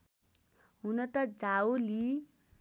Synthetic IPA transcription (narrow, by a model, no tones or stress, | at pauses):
ɦunʌt̪ʌd͡zaoli